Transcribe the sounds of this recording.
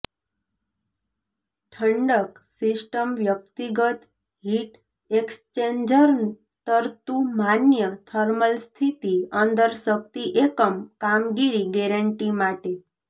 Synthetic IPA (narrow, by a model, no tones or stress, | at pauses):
t̪ʰəɳɖəksisʈəmʋjək̚t̪iɡət̪ | ɦiʈ | ekst͡ʃeɲd͡ʒəɾ | t̪əɾt̪umanjət̪ʰəɾməlst̪ʰit̪iə̃nd̪əɾsək̚t̪iʔekəmkamɡiɾiɡɛɾəɳʈimaʈe